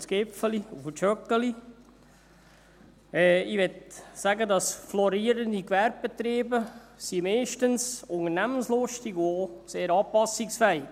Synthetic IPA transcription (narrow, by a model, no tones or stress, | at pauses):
sɡ̥ɪpfəliufət͡ʃœkːəli | ɛːɪʋɛtsæɡədɑsflɔɾiːəɾəndikʋɛɾb̚b̥et̪ɾeːbəsimɛɪʃtənsʊŋəɾnæmənslʊʃtiɡuoːseːɾɑːpɑsɪksfɛɪ